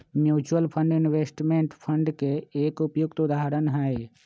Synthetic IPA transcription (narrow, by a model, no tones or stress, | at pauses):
mjuːt͡ʃuəlpʰə̃ɳɖɪnweːsʈmeːɳʈpʰə̃ɳɖkeeːkʊpjuk̚t̪ʊd̪aːɦɾənɦɛe